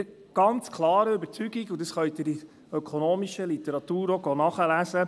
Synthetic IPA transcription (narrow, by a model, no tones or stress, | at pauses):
ɡ̥ɑnt͡skʰlɑːɾəybəɾt͡syɡ̥iɡʊd̪əsχœʏt̪ɪɾi | œkʰonoːmiʃəlit̪ɛɾɑt̪uːɾoɡoːnɑχəlæsə